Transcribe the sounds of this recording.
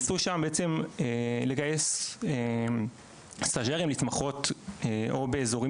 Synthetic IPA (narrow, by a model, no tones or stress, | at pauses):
suʃambeʔet͡se̞mele̞ɡaje̞se | saʒeʁimlit̪maχo̞t̪eʔo̞be̞ːzo̞ʁi